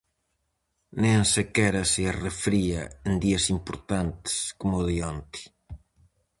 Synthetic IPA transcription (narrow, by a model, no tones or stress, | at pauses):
nẽensekɛɾɐsearefɾiɐend̪iɐsimpoɾt̪ant̪ɪ̥skomoðiont̪i̥